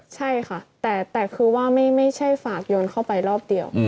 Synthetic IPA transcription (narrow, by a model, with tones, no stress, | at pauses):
t͡ɕʰa˥˩jkʰa˥˩t̪ɛː˨˩t̪ɛː˨˩kʰɯː˧waː˥˩ma˥˩jma˥˩jt͡ɕʰa˥˩jfaː˨˩k̚jo˧nkʰa˥˩wpa˧jɾɔː˥˩p̚di˧əw